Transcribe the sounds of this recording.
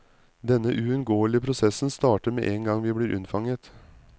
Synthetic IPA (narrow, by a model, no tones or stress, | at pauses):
d̪ɛnəʔʉɛnɡoːəlɪəpʰɾʊsɛsn̩st̪ɑːʈəɾmḛːʔeːŋɡɑŋʋiːbliːɾʔʉ̰nfɑŋət̪